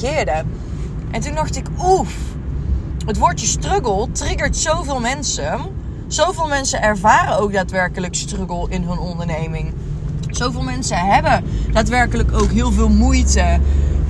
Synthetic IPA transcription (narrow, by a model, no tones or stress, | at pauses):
ɪːɹdə | ʔɛntundɑxtɪkuf | ɦətʋʊːɹtəstrøɡəlˠtrɪɡəɹtsowvɪːlˠmɛnsə | z̥owvɪːlˠmɛnsəʔɛɹvaːrənowk̚daːtʋɛɹkələkstrøɡəlˠɪnɦɵnɔndəɹnejmɪŋ | z̥owvɪːlˠmɛnsəɦɛbəd̥aːtʋɛɹkələkowkɦɪːlˠvɪːlˠmujtə